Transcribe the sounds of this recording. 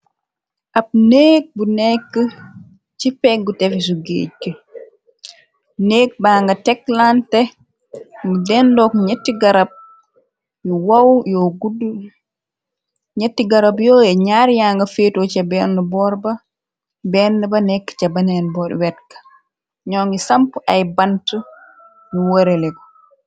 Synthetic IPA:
ʔɐp̚neːk̚bunɛkːə | t͡ʃipɛk̚ɡutɛfisuɡḛːt͡ʃːə | neːk̚baːŋɡɐtɛkːlantɛ | ŋɡudɛndɔkɲɛtːiɡɐɾɐp̚ | juwawjɔɡudu | ɲetːiɡaɾabjɔɛɲaɾjaŋɡafetot͡ʃabɛnːubɔɾba | bɛndɛbanɛkːt͡ʃabanɛnbɔɾwɛtkḁ | ɲɔŋɡisampuʔajbantu | nuwoɾɛlɛɡɔ

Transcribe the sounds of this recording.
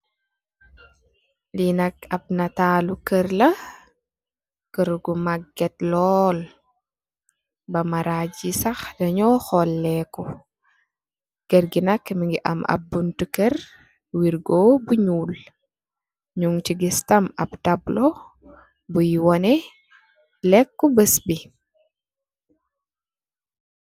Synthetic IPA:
linɐkɐb̚nɐtaːlukərlɐ | kəɾɡumaɡːɛtlɔl | bɐmɐɾaɟisɐxdɐɲɔxɔlːɛkɔ | ɡ̥əɾɡinɐkːmiŋɡiʔɐ̰mɐ̰b̚buntukər | wiɾɡoːbuɲuːl | ɲuŋtiɡistɐmɐ̰btablɔ | bujiwɔnɛ | lɛkːɔbəsbi

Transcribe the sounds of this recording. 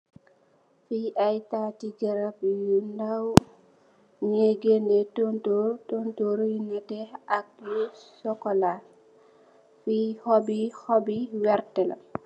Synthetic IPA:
fiʔajtatiɡɛɾapjundaw | ɲeɡenɛtontotontoɾjinːatɛak̚jusɔkɔla | fihɔbihɔbiwɛɾtɛla̰

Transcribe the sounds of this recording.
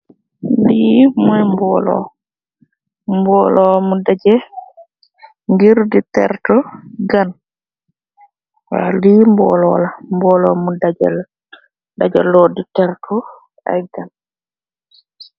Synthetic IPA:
limɔjmbɔlɔ̰ | mbɔlɔamudad͡ʒɛ | ŋɡiɾditɛ̰ɾtɔɡan | wa̰liːmbɔ̰lɔlambɔlɔmudad͡ʒɛl | dad͡ʒɛ̰lːoditɛɾtʰɔ | ɛ̰jɡan

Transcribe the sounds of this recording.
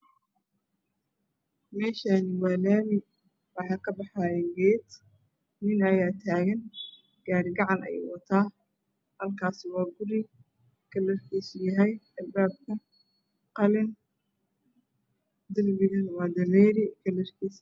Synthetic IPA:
mɛːʃaːnɪwaːlaːmɪ | wɑħɑːkʰɐbɑħaːjɛɡɛːd̪ | nɪnɐjaːt̪ʰaːɣɐn | ɡ̥aːɾɡɑʕɑnɐ̰jɛ̰ːwɑt̪ʰaː | hɐlkʰaːsɪwɑːɡʊɾɪ | kʰɐlɛrkʰiːsjɐɦɛjɐlbaːb̚kʰɐ | qɑlɪn | d̪ɪlbɪɣɐnwɑːd̪ɐlɛːɾɪkʰɐlɛrkʰiːs

